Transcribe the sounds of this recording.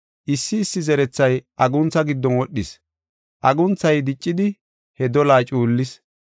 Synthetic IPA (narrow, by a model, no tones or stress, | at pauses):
ʔɪsːɪːsːɪzɛɾɛt͡sːɐjʔɐɡʊnt͡sːɐɡɪd̪ːɔnwɔɗːɪs | ʔɐɡʊnt͡sːɐjd̪ɪt͡ʃʼːɪd̪ɪ | hɛd̪ɔlaːt͡ʃʼuːlːɪs